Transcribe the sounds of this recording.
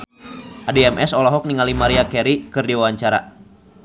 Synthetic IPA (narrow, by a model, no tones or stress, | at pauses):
ʔadeɛmʔɛsɔlɔɦɔk̚niŋalimaɾiakɛɾikɨrdiwawaɲt͡ʃaɾa̰